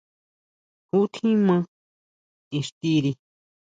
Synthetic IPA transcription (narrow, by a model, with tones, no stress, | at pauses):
hu˦t̪ʰĩ˦mã˦˧ | ĩ˧ʂt̪i˦˧ɾi˧